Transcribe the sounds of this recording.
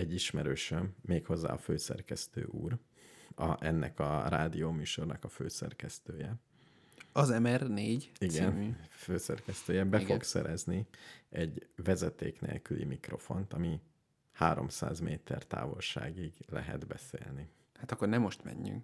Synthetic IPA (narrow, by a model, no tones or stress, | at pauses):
ɛɟːiʃmɛɾøːʃømːeːkho̞zːa̰ːɒføːsɛ̰rkɛst̪ø̰ːʔuːr | ɒʔɛnːɛkɒraːd̪ijoːmyːʃo̞rnɒkɒføːsɛrkɛst̪øːjɛ | ɒzɛmɛrneːɟiɡɛnmyːføːsɛrkɛst̪øːjɛbɛfo̞ksɛɾʔɛzniɛɟvɛzɛt̪eːknḛːlkylḭmikro̞fo̞nt̪ɒmi | haːɾo̞̰msa̰ːzmeːt̪ʰɛrt̪a̰ːvo̞lʃa̰ːɡiɡlɛɦɛ̰d̪bɛseːlni | hat̪ɒkːornɛmoʃt̪mɛ̰ɲːy̰ŋk